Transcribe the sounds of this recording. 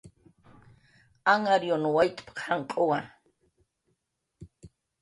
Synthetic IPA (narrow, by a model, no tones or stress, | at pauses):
aŋaɾjonwajt̪ʼpḁqaŋkʼowa